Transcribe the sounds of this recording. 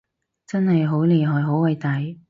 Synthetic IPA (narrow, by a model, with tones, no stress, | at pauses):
t͡sɐ˥nhɐ˨jɦo˨˥wliː˨˩ɦɔː˨jɦo˨˥wɐ˨˧jt̪ɐ˨˥j